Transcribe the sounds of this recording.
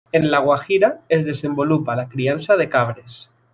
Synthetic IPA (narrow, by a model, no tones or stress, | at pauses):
enlaɣwaxiɾaezðe̞sẽ̞mbo̞lupalakɾianθað̞e̞kaβ̞ɾe̞s